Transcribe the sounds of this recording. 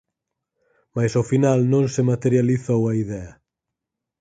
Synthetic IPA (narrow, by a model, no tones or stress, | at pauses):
majsofinalnõŋsemat̪eɾjaliθowɐiðɛɐ